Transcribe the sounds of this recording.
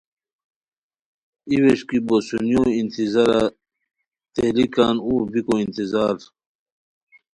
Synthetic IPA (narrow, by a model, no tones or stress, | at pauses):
iweʂkibosunjoːint̪izɐɾa | t̪elikaːnuːbikoint̪izaːɾ